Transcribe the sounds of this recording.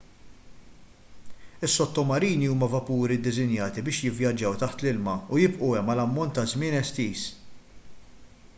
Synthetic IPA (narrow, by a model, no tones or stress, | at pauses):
ɪsːɔt̪ːɔmɐɾiːniuːmɐvɐpuːɾid̪ɪzɪnjɐːt̪ibɪːʃjɪvjɐd͡ʒːɐwt̪ɐħt̪lɪlmɐʊjɪbʔuɛmɐlɐmːɔnt̪ːɐzmɪːnɛst̪iːs